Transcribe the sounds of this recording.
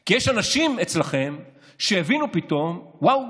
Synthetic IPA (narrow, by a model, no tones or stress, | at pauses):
kijeʃanaʃimet͡slaχe̞m | ʃejevinupito̞mwaw